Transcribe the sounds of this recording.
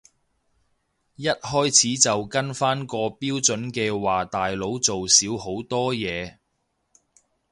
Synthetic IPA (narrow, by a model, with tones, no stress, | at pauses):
jɐ˥t̚ɦɔː˥jt͡sʰiː˨˥t͡sɐ˨wkɐ˥nfaː˥nkɔː˧piː˥wt͡sɵ˨˥nkɛː˧waː˨t̪aː˨jlo˨˥wt͡so˨wsiː˨˥who˨˥wt̪ɔː˥jɛː˨˧